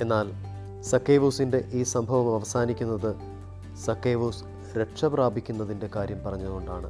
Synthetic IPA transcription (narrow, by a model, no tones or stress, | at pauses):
e̞nːaːl | sɐkːeːʋuːsinde̞ʔiːsɐmbʱɐʋɐmɐʋɐsaːnikʲːunːɐðɨ | sɐkːejʋuːs | ɾe̞ʈʂɐpraːbʱikʲːunːɐðinde̞kaːɾjɐmpɐrɐɲːɐðuɣo̞ɳɖaːɳɨ